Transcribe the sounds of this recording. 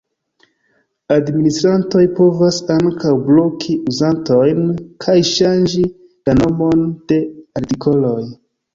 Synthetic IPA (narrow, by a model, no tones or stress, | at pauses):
administɾanto̞jpo̞vasaŋkʰawblo̞kʰiuzanto̞jnkʰajʃand͡ʒi | lano̞mo̞nd̥e̞aɾtikʰo̞lo̞j